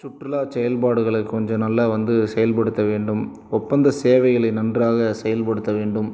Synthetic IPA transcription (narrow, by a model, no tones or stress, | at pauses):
t͡ʃʊʈːrɪlaːsɛjɐlpaːɽɯɣɐɭɐkːɯkɔɲd͡ʒɔ̃nɐlːɐʋɐnd̪ɯsɛjɐlpɐɽɯt̪ːɐʋeːɳɖɯm | ɔpːɐnd̪ɐseːʋɐɪɣɐɭɐɪnɐndraːɣɐsɛjɐlpɐɽɯt̪ːɐʋeːɳɖɯm